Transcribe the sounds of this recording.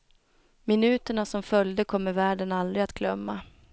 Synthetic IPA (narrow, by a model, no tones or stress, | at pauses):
mɪnʉ̟ːt̪əɳasɔmfœljd̪əkʰɔmːəɾvæːɖənald̪ɾɪat̪ɡʰlœmːa